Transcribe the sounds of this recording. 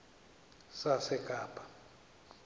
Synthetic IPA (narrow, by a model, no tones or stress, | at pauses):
sasɛkʼaːpʰʼḁ